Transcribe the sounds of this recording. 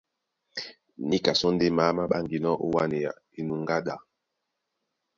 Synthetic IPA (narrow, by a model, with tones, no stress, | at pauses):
ni˦ka˨sɔ˦n˦de˦ma˦ma˦ɓa˦ŋɡi˨nɔ˦ʔo˦wa˦ne˨ja˨ | i˨nu˨ŋɡa˦ɗa˨